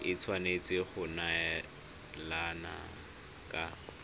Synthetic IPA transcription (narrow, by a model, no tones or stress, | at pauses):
ɪt͡sʰwanet͡sʼɪχʊna | lana̰ | kʼa